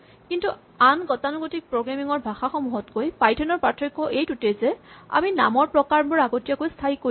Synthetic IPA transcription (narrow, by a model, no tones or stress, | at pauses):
kintu | anɡɔtanuɡotik̚pɹoɡɹamiŋɔɹbʱaxaxɔmuɦɔtkojpajtʰɛnɔɹpatʰːɹikːɔʔejtutɛzɛa̰mina̰mɔɹpɹɔkaɹbɔɹaɡotijakojstʰaɦiko